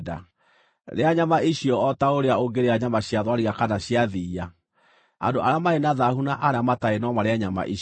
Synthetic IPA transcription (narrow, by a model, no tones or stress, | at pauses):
da̰ | ɾeaɲamaiɕiɔɔtaoɾeaoɡeɾeaɲamaɕjaðwaɾiɣakanaɕjaðiːa | a̰ndoʔaamaenaðahunaʔaɾamataenɔmaɾeaɲama̰ʔi